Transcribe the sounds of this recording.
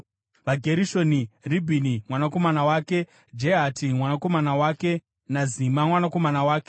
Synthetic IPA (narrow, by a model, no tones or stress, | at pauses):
ʋaɡʱe̞ɾiʃo̞niribʱinimwanako̞manawaːke̞ | d͡ʒeɦatʰimwanako̞manawaːke | nazimamwanako̞manawaːke